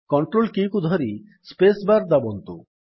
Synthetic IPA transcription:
kɔɳʈɾolkikud̪ʱɔɾi | spesbaɾd̪abɔnt̪u

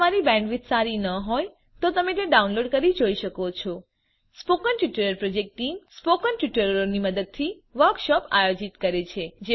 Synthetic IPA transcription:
maɾibɛ̃ɳɖʋit̪saɾinəɦoj | t̪ot̪əmet̪ẽɖaunloɖkəɾid͡ʒoiʃəkot͡ʃʰɔ | spokənʈʋɪʈəɾəɾpɾod͡ʒek̚ʈʈːimspokənʈʋɪʈəɾəɾoniməd̪əd̪̚t̪ʰi | ʋəɾkʃɔpa̰jod͡ʒit̪kəɾet͡ʃʰed͡ʒe

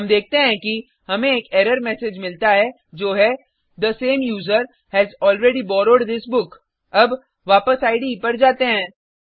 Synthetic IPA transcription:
ɦɐmd̪eːk̚ʰt̪eɦɛ̃ki | hɐmẽeːkɛːɾəɾmɛsed͡ʒmɪlt̪aɦɛ | d͡ʒoːɦɛ | d̪əsẽːmjuːzəɾ | hɛzɔːlɾeːɖibɔːɾoːɖd̪ɪsbʊk | ɐb | ʋaːpəsaːɪɖipɐɽd͡ʒaːt̪eɦɛ̃ː

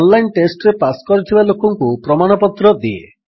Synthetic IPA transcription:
ɔnlajnʈesʈɔɾepaskɔɾit̪ʰibalokɔŋkupɾɔmaɽ̃ɔpɔt̪ɾɔd̪iḛ

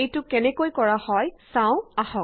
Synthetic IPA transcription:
ejtʊkɛnɛkojkɔɹahɔjsãʊ̃ahɔ̃

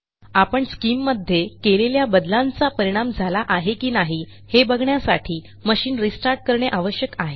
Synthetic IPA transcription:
apəɳskimːəd̪ʱːjekeleljabəd̪lãnt͡sapəɾiɽ̃amd͡zʱalaʔaɦekiːnaɦi | hebəɡʱɳjasa̰ʈʰiː | məɕiːnɾisʈaɾʈ̚kəɾɳeʔaʋəɕjəkaɦe

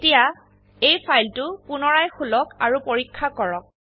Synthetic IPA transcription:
tija | ejpʰajltʊpʊnɔɹajxulɔkaɹupoɹikʰːakɔɹɔk̚

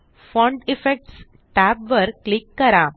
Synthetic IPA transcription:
fɔ̃ɳɖɪfek̚ʈs | ʈaːpʋɐɾlɪkːɐɾãːm

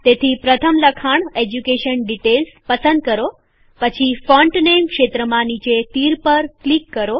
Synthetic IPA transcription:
t̪et̪ʰipɾət̪ʰəmləkʰaɳ̃ed͡ʒukeʃənɖiʈelspəsə̃nd̪̚kəɾo | pət͡ʃʰifɔ̃ɳʈnemkʃet̪ɾəmãnit͡ʃet̪iɾpəɾklikːəɾo

